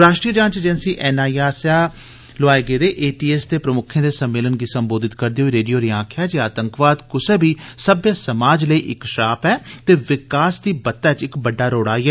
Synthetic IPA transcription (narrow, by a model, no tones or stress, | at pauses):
ɾaːʃʈɾiːəd͡ʒãːɲt͡ʃeːd͡ʒɛːnsiːʔɛːnaːiaːsaː | lʊaːeːɡeːd̪eːʔeːʈiːɛːst̪eːpɾəmʊkʰẽːd̪eːsəmːeːlənɡiːsəmboːd̪ɪt̪kəɾd̪eːɦoiːɾeːɖijoːɾiːãːkʰjaːd͡ʒeːaːt̪əŋkʋaːd̪kʊsẽːbʱiːsəbjasəmaːd͡ʒləiːʔɪ̰kʃaːpɛːt̪eːʋɪkaːsd̪iːbət̪ːɛːt͡ʃɪkbəɖːaːɾoːɽaːiːɛː